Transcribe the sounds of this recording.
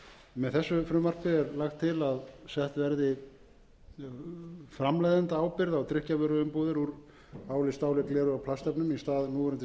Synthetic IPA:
mɛðθɛsːʏfɾʏːmar̥pɪɛɾlaxt̪ʰːɪlaðsɛht̪vɛɾðɪ | fɾamlajðant̪aaːwpɪɾðawt̪ɾɪhcavœːɾʏʏmpoːðɪɾuɾ | aːwlɪst̪aːwlɪklɛːɾʏawpʰlast̪ɛpnʏmist̪aːðnuːɛɾʏnt̪

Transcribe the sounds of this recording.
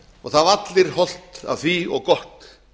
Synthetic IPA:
ɔɣθaðat̪lɪɾ̥hɔl̥t̪a̰ðfiːɔɣkɔht̪

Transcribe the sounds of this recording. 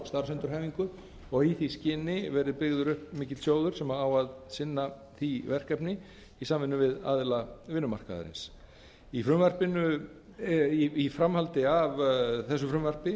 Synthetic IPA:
st̪aɾ̥ɛnt̪ʏɾ̥ɦɛːjviŋkʏ | ɔɣhiθiscɪːnɪvɛɾðɪpɪɣðʏɾʏhp̚miːcɪ̥sjoːwðʏɾ̥sɛmaawaðsɪnːaθivɛr̥kɛpnɪ | isaːmvɪnːʏvɪða̰ðlavɪnːʏma̰r̥ka̰ða̰ɾɪ̰ns | ifɾʏmvɛr̥pɪnʏ | ifɾamhalt̪ɪavθɛs̬ːʏfɾʏmvɛr̥pɪ

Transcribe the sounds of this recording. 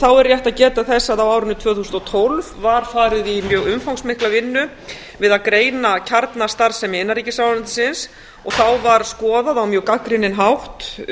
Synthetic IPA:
θawɛɾrjajht̪aðcɛːt̪aθɛsːaðawaːwɾʏnːʏt̪ʰvœːθusʏnt̪ɔt̪ʰolvvaɾ̥faːɾɪðimjœːɣʏmfawŋksmɪhklavɪnːʏ | vɪðaðkɾeːjnacʰaɾt̪nast̪aɾ̥sɛmɪnːaɾriːcɪsawant̪ɪsɪns | ɔɣθawvaɾ̥skɔːðaðawmjœːkakɾɪnːɪnɦawht̪

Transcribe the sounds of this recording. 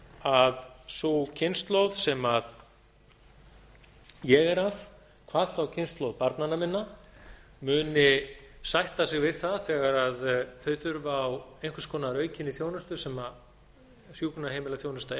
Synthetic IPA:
aðsowcʰɪnst̪lowð̥sɛmað | jɛɣɛɾav | kʰvaːðθawcʰɪnst̪lowðpaɾt̪nanamɪnːa | mʏːnɪsajht̪asɪɣvɪðθaðθɛːɣaɾaðθœɥθʏɾvaːwejŋ̥kvʏ̥ɾskʰɔːnaɾœːɥcɪnːiθjownʏst̪ʏsɛma | rjuːknaheːjmɪlaθjoːwnʏst̪a

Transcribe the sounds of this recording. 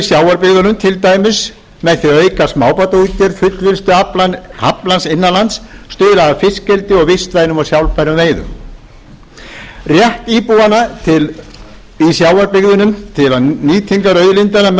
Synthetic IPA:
sjaːwaɾpɪɣðʏnʏmt̪ʰɪlt̪aːjmɪs | mɛðθiœːɥkasmaːwpat̪ait̪jɛɾfʏt̪lvɪlst̪ʏaplahaplansɪnːanlant̪sːt̪ʏːɾaːvfɪscɛlt̪ɪɔɣvɪst̪vaɪnʏmawsjawlpajɾʏveːjðʏ̰m | rjɛht̪iːpuanat̪ʰɪl | isjaːwaɾpɪɣðʏnʏmt̪ʰɪlaniːt̪ʰiŋkaɾœːɥðlɪnt̪ana

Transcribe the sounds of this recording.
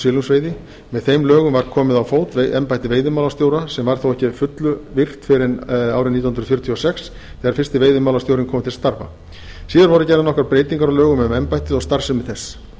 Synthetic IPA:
siːlʏmsveːjðɪ | mɛðθejmlœːɣʏmvaɾ̥kʰɔːmɪðawfoːwt̪vɛmpajht̪ɪveːjðɪʏmaːlast̪jowɾasɛmvaɾ̥θowɛhcɪfʏt̪lʏvɪr̥t̪fɪɾɪnaːwɾɪnit̪ɔhnɾðfjʏɾ̥ʏt̪ʰiɔsɛks | θɛːɣaɾ̥fɪr̥st̪ɪveːjðʏmaːwlat̪jowɾɪnkʰɔːmɪt̪ʰɪlst̪aɾva̰ | siːðaɾvɔɾʏcɛɾðanɔhkɾaɾpɾeːjt̪iŋkaɾawlœːɣʏmɛmɛmpajht̪ɪðɔɣst̪aɾ̥sʏmɪðθɛs

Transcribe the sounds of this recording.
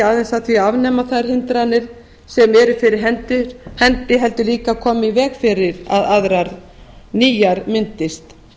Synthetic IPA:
aːðɛnsaðθviavnɛːmaθaðɾ̥hɪnt̪ɾanːɪɾ̥ | sɛmɛɾʏfɪɾɪɾ̥ɦɛnt̪ɪ̥hɛnt̪ɪɦɛlt̪ʏliːkakʰɔːmɪivɛːɣfɪɾɪɾa̰ðaðɾaɾ | niːjaɾmɪnt̪ɪst̪

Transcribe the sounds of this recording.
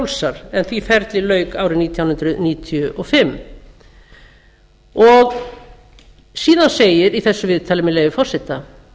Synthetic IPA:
wlsaɾ̥ɛnθvifɛɾt̪lɪlœɥkaːwɾɪniːt̪ʰjawnʏnt̪ɾʏniːt̪ʰjʏʔɔɣfɪmː | ɔɣ | siːðanseːjɪɾiθɛsːʏvɪðt̪ʰaːlɪmɛleːjvɪfɔr̥sɛht̪ːa

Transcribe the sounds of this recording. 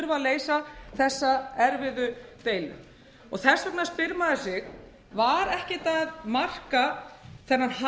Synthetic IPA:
ɾvaleːjsaθɛsːaɛɾvɪðʏt̪eːjlʏ̰ | ɔ̰ɣθɛ̥svɛknaspɪɾmaðɪsɪɣ | vaɾɛhcɪt̪aðmar̥kaθɛnːaɾh

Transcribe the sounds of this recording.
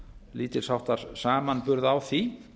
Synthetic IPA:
liːt̪ɪɾ̥sawht̪aɾ̥saːmanpʏɾðawθi

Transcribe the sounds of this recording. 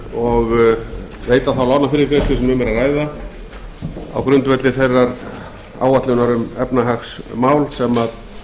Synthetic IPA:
ɔɣ | veːjt̪aθawlanafɪɾɪkɾejst̪ʏsɛmʏmːɛɾaraːjða | a̰wkɾʏnt̪vɛt̪lɪθejrːaɾ | a̰ːwat̪lʏnaɾʏmɛpnaɦaxsmaːwlsɛmað

